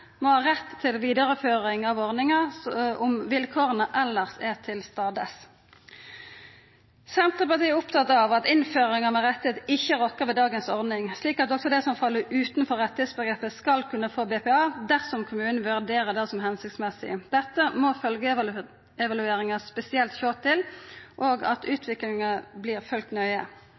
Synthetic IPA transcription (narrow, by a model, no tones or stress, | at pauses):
mɔhɑːʁɛt̪ʰːɪlʋiːd̪ɑʁəføːʁɪŋɑʋɔʁnɪŋɑɔmʋɪlkʰoːʁənəʔɛlːəʁsɛʁt̪ʰɪlst̪ɑːd̪əs | sɛnt̪ʁəpɑʁt̪iːɛʊpt̪ʰɑt̪ːɑʋɑt̪ɪnføːʁɪŋɑmɛʁɛt̪ːɪheːt̪ɪçːəʁɔkːəʁʋɛːd̪ɑːɡənsɔʁd̪nɪŋsliːkɑt̪ɔksɔd̪ɛsɔmfɑlːəʉːt̪nfɔʁɛt̪ːɪheːt̪sbəɡʁeːpəskɑlkʰʉnːəfoːbɛːpɛɑːd̪æʁsɔmkʰʊmʉːnn̩ʋʉʁd̪eːʁəd̪ɛːsɔmɦɛnsɪkt̪smɛsɪ̰d̪̥ɛt̪ːəmɔfœlɡə | ɛʋɑlʉeːʁɪŋɑspɛsɪɛlt̪çoːtt̪ʰɪlʔoːɡɑ̰t̪ʉːt̪ʰʋɪklɪŋɑbliːʁfœlkt̪nœʏə